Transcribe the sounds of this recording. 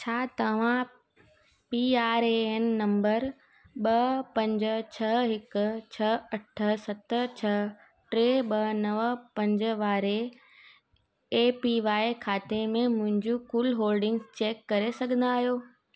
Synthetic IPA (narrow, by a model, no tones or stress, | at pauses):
t͡ɕʰaːt̪ɐʋ̤ã | piaːɾenːɐ̃mbəɾ | ɓɐpɐ̃ɲd͡ʑ̆t͡ɕʰɐɦɪkʊ̆t͡ɕʰɐɐʈʰə̆sɐt̪̆t͡ɕʰɐ | ʈɾeːɓɐnɐʋpɐ̃ɲd͡ʑʋaːɾe | eːpiʋaːekʰaːt̪emẽmʊ̃ɦɪ̃ɲd͡ʑukuːlɦoːlɖɪ̃ŋɡzt͡ɕeːkːɐɾesɐɡʱə̃nd̪aːɦijoː